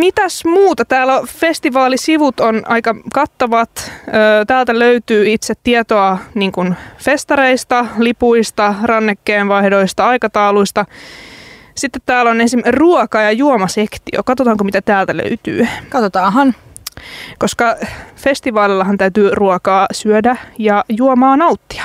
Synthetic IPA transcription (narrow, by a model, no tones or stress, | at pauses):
mit̪æsmuːt̪ɑt̪æːlæfest̪iʋɑːlisiʋut̪onɑikɑkɑt̪ːɑʋɑt̪øːt̪æːlt̪æløyt̪yːit̪set̪tːiɛt̪oɑniːŋkunfest̪ɑɾeist̪ɑlipuist̪ɑrɑnːekːeːnʋɑhdo̞ist̪ɑɑikɑt̪ɑuluist̪ɑ | sit̪ːet̪t̪ːæːlonensimːruɔkɑjɑjuomɑsekt̪io̰kɑt̪ot̪ɑːŋkomit̪æt̪æːlt̪ælø̰yt̪y̰ːkɑt̪ot̪ɑːɦɑn | koskɑfest̪iʋɑːlilːɑɦɑnt̪æyt̪yːruokɑːsyødæjɑjuomɑːnɑut̪ːi̥ɑ̥